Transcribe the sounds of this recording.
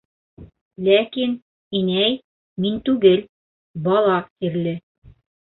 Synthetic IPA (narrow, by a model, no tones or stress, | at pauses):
lækin | inæj | mint̪ʉɡɘl | bɑlˠɑqt̪iɾlɘ